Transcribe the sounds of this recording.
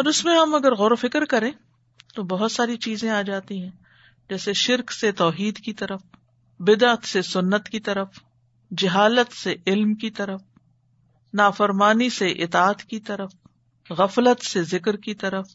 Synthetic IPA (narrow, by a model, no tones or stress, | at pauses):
ɔːɾʊsmẽɦɐmɐɡəɾɣɔːɾofɪkɾkɐɾẽː | t̪obɐɦʊt̪saːɾit͡ʃiːzẽaːd͡ʒaːt̪iɦɛ̃ | d͡ʒɛːseʃɪɾkset̪ɔːɦiːd̪kit̪ɐɾəf | bɪd̪at̪sesʊnːət̪kit̪ɐɾəf | d͡ʒɪɦaːlət̪seʔɪlmkit̪ɐɾəf | naːfəɾmaːniseʔɪt̪aːət̪kit̪ɐɾəf | ɣɐflət̪sezɪkɾkit̪ɐɾəf